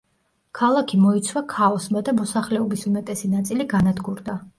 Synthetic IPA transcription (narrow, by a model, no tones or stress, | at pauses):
kʰalˠakʰimɔit̪sʰwakʰaɔsmad̪amɔsaχlɛɔbisumɛt̪ʼɛsinat̪sʼiliɡanad̪ɡuɾd̪a